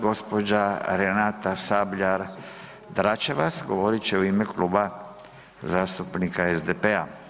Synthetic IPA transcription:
ɡo̞spo̞d͡ʒaɾenat̪asabʎaɾ | d̪ɾat͡ʃeʋasɡo̞ʋo̞ɾit͡ʃeuimekluːba | zaːst̪upnikaezd̪epea

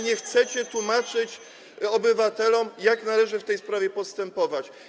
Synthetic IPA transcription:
ɲɛxt̪sɛt͡ɕɛt̪wumat͡ʂɘt͡ɕ | ɔbɘvat̪ɛlɔmjaknalɛʐɘft̪ɛjspɾavʲjɛpɔst̪ɛmpɔvat͡ɕ

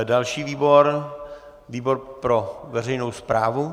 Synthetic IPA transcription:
dalʃiːviːboɾ | viːboɾpɾovɛrɛjnowspɾaːvu

